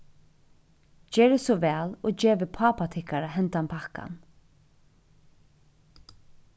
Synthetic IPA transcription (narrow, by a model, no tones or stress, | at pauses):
d͡ʒeːɹəsɔʋæːloːd͡ʒeːʋəpʰaːpat̪ʰɪhkaɾaɦɛnt̪ampʰaka̰n